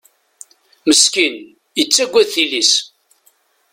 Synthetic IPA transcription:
məskin | jət͡sːæɡʷːæðθilis

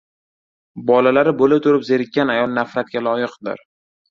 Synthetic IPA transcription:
bɒlalaɾɪbolɪt̪ʰʊɾɪpzeɾɪkʲʰːanajɒlˠnafɾat̪̚ɡʲalˠɒjɪqd̪ɪ̰ɾ

